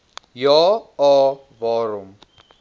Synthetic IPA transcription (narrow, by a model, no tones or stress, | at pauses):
jɔɔ | vɔɾum